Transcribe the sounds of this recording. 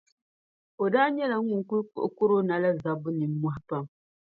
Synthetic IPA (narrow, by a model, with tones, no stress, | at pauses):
o˨daː˦ɲɛ˦la˨ŋ̩u˨ŋ˨ku˦lkʊ̰˦ʔkʊ˦ɾo˦na˨la˦za˨bʊ˦nɨ˨mː˦ʊ˦hpa˦m